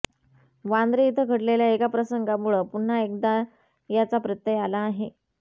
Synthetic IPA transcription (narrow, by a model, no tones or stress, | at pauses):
ʋand̪ɾəit̪ʰəɡʱəɽleljaekapɾəsəŋɡamuɭəpuɳ̤ːaek̚d̪a | jat͡sapɾət̪ːjəjalaːɦe